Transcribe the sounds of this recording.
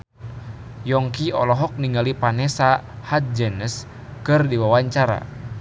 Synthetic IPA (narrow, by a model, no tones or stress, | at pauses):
jɔŋkiɔ̰lɔɦɔk̚niŋɡalipanɛsahat̪̚d͡ʒɛnəs | kɨrdiwawaɲt͡ʃaɾa̰